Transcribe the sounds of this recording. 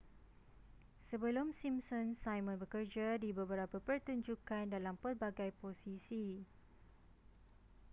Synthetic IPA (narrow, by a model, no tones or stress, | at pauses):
səbəlomsimsɔ̃nsajmə̃nbəkərd͡ʒadibəbəɾapapərt̪uɲd͡ʒukandalampərbaɡajposisi